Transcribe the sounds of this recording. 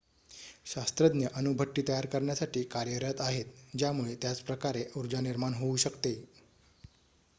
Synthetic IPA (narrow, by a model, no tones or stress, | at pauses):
ɕast̪ɾəd̪njəʔənubʱəʈːiːt̪əjaɾkəɾɳjasaʈʰiːkaɾjəɾjat̪aɦet̪̚d͡ʑjamuɭet̪jat͡spɾəkaɾeuɾd͡ʑaniɾmaɳɦouɕəkt̪e